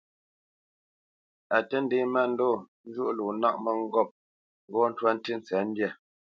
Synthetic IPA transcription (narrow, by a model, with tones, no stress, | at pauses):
a˨tə˦n̩˦de˦ma˦˨n̩˦dɔ˦˨n̩˦d͡ʒu˦ʔlu˨na˦ʔ̚mə˦ŋ̩˦ɡɔ˦˨p̚ | bɔ˦n̩˦twa˦n̩˦ti˦n̩˨t͡sɛ˨˦n̩˦dja˦˨